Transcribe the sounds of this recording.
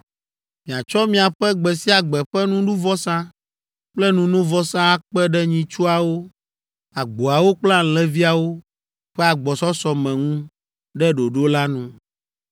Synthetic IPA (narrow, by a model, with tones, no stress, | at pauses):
mĩ˨a˨t͡ʃɔ˦mĩ˦a˨ɸɛ˦ɡ͡bɛ˨si˦a˨ɡ͡bɛ˨ɸɛ˦nũ˦ɖu˦vɔ˦sã˦ | k͡plɛ˦nũ˦nũ˦vɔ˦sã˦a˦k͡pɛ˦ɖɛ˦ɲĩ˦t͡ʃu˦a˨wo˦ | a˨ɡ͡bo˨a˨wo˦k͡plã˦˨lɛ̃˦vi˦a˨wo˦ | ɸɛ˦a˨ɡ͡bɔ˨sɔ˦sɔ˨mɛ̃˨ŋũ˦ | ɖɛ˦ɖo˨ɖo˦la˦nũ˦